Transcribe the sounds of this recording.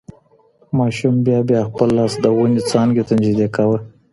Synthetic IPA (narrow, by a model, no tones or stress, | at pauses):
mɑʃumbjɑbjɑxpəlːɑsd̪əwunit͡sɑnɡet̪amd͡ʒid̪ekawə